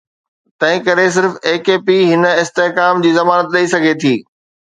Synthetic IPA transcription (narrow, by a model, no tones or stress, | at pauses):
t̪ɐ̃ɦɪ̃kɐɾes̬ɪɾfeːkeːpiɦɪnəɪst̪eɦkaːmd͡ʑiːzɐmaːnət̪ɗɐisɐɡʱet̪ʰiː